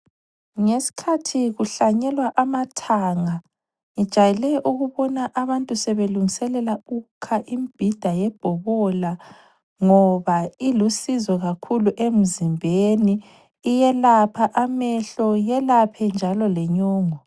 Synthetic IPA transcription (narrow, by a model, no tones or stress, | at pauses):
ŋesi̥kʰatʰiɣuɬaɲɛlwaʔamatʰaːŋa | ŋid̥ʒ̥ʱajɛlɛʔuɣuβɔnaʔaβantʼusɛβeluŋisɛlɛlaukʰaʔimb̥ʱid̥ʱajɛb̥ʱɔβɔla | ŋɔβailusizɔɣakʰuluʔem̩zimbʱeniː | jɛlapʰaʔamɛɬɔjɛlapʰɛnd͡ʒʱalɔlɛɲɔːŋɔ